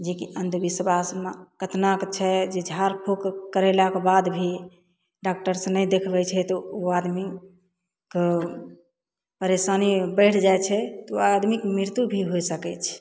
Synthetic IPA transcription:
d͡ʒekiənd̪ʱubisəbasmakət̪nakt͡ʃʰɛd͡ʒed͡ʒʱaɾpʰokkəɾɛlakebad̪bʱi | ɖak̚ʈəɾsə̃nəjd̪ekʰbɛt͡ʃʰɛt̪ɔoad̪mi | k | pəɾesanibəɪʈʰd͡ʒajt͡ʃʰɛt̪ɔoad̪mikmɾiɾt̪ubʱiɦojsəkɛt͡ʃʰɛ̥

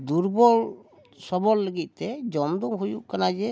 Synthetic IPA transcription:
d̪uɾbɔl | sɔbɔlːəɡit̪̚t̪ɛd͡ʒɔmd̪ɔmɦujuʔkanad͡ʒɛ

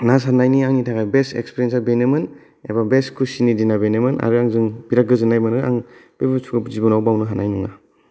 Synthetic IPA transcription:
nas̬anajniaŋnitʰaɡajbesḛkspeɾjensabenemɯn | ḛbabeskʰusinidinabenemɯna̰ɾɯaŋzɯŋbiɾaɡɯzɯnajmɯnɯa̰ŋb̥ebɯsʰuɡɯzibɔnawbawnɯɦanajnɯŋa

